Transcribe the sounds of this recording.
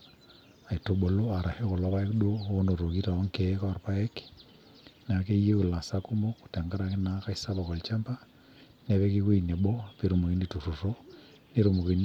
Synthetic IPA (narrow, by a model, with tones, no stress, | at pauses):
a˨i˨to˨ɓo˨lo˦a˨ɾa˨he˦ko˨lɔ˦βa˦e˦kdo˦o˦no˨ɾo˨ki˦ta˨ɔ˦ŋke˨˦kɔ˦˨ɾpa˦e˦k | n˨a˨ke˦je˦u˨la˨sa˦ku˦mo˦ku̥˨ta˨ŋɡa˦ɾa˨kɪ˦na˨˦ka˦i˦sa˦ba˨kɔ˨lt͡ʃa˦mba˦ | ne˨βe˦ki˦ko˦i˨ne˨ɓɔ˦pe˨ɾo˨mo˨ki˦ni˦˨tu˨ru˨ro˦ | ne˦ɾo˨mo˨ke˨n